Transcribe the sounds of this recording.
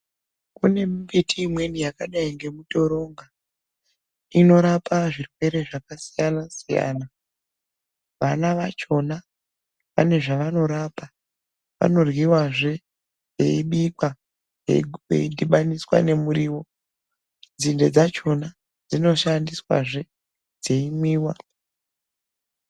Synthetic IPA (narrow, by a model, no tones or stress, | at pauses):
kune̞mibitʰiːmwe̞nijakaɗaiŋɡe̞muto̞ɾo̞ŋɡa | ino̞ɾapaʐirwe̞ɾe̞ʐakasijanasija̰ːna | ʋanaʋat͡ʃo̞na | pa̰ne̞ʐaʋano̞ɾapa | ʋa̰no̞rwiwaʐe̞ | je̞̰iɓikwa | ḛḛidiɓaniswa̰ne̞muɾiːwo̞ | d͡zinde̞d͡zat͡ʃo̞na | d͡zino̞ʃandiswa̰ʐe̞ | d͡ze̞imwiːwa